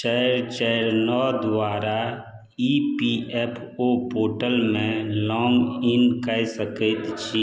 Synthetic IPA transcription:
t͡ʃəɾt͡ʃəɾnɔːd̪waːɾa | ipiʔɛpʰ | opoːʈəlmẽlɔːŋɡɪnkəjsəkət̪t͡ʃʰi

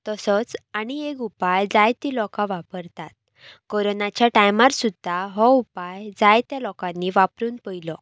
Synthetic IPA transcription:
t̪əsət͡saɽ̃iekupajd͡zajt̪ilɔkãʋapəɾt̪at̪̚ | koɾonat͡ɕjaʈajmaɾsud̪ʱːaɦɔupajd͡zajt̪jalɔkãnːiʋapɾuːnpəjlɔ

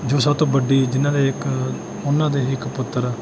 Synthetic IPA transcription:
d͡ʒoːsat̪õːbəɖiːd͡ʒɪnãːd̪eːɪk | ʊnːãːd̪eːɪkpʊt̪ːəɾɛː

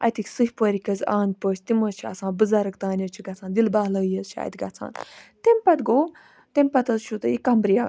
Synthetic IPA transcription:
ɐ̰jt̪ikʲsɨɦʲpəːɾʲikɐzaːnʲd̪̚ʲpəːt͡ʃʰʲt̪imət͡ʃʰiɐ̰sãːbɨzɐɾɐkt̪aːnʲɐt͡ʃʰiɡɐt͡sʰãːnd̪ilbaːlɐɡjɐzt͡ʃʰia̰ːjt̪ʲɡɐ̰t͡sʰa̰ːnt̪empɐt̪ɡoː | t̪emʲpɐt̪ɐzt͡ʃʰut̪ɨikɐmbɾijaː

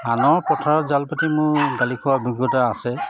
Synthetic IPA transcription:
anɔɹpɔtʰaɹɔzalpatimʊɹɡalikʰɔwabiɡjɔtaasɛ

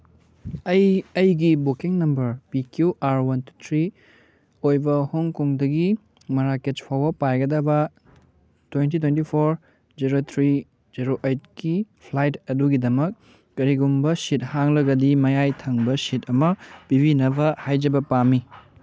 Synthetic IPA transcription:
ɐjɐjɡibokiŋnɐmbɐɾpikjuʔaɾwɐntutʰɾi | ojbɐhoŋkoŋdɐɡi | mɐɾaket͡ʃpʰawɐpajɡɐdɐbɐ | twent̬itwentipʰoɾ | d͡ʒiɾot̪ʰɾi | d͡ʒiɾoʔejt̚kipʰlajtɐduɡidɐmɐkː | ɐɾiɡumbɐsit̚haŋlɐɡɐdimɐjajtʰɐŋbɐsitʰɐmɐpibinɐbɐhajd͡ʒɐbɐpamːi

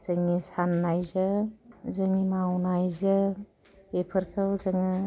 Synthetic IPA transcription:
z̥ɯŋisanːajzɯzɯŋimawnajzɯ | pepʰɯɾkʰɯwzɯŋɯ

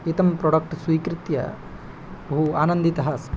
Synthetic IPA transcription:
et̪ɐmpɾɔɽɐk̚ʈswiːkɾit̪jɐ̰ | bɐɦuaːnɐnd̪it̪ɐɦɐs

